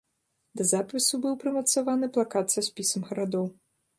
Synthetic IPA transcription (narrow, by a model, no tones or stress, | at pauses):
d̪ɐzapʲɨsubɨwpɾɨmɐt̪savanɨplˠakat̪sʲɐsʲpʲisɐmɣɐɾad̪ɔw